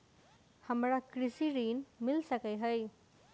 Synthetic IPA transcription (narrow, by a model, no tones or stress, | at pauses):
həmɾakɾisiɾinmilsəkəjɦəj